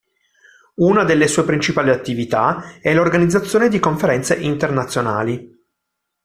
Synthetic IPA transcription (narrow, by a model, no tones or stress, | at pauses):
unad̪elːesuːepɾint͡ʃipaːliat̪ːivit̪aɛlːorɡanid̪zat̪sːjoːned̪ikoɱfeɾɛnt̪seʔint̪ernat̪sːjona̰ːli